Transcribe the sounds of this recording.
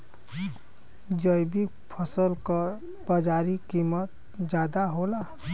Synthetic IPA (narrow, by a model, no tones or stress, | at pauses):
d͡ʒəjbik | pʰəsəlkə | bəd͡ʒaɾikimət̪̚ | d͡ʒad̪aɦola